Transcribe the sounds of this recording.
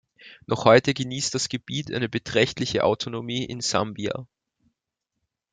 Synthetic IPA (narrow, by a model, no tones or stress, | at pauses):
nʔɔχhɔʏtəɡəniːstd̥asɡ̥əbiːtʔa̰ɪnəbətʁ̥ɛçtlɪçəʔa̰ʊtʰonomiːʔɪ̰nzambia̰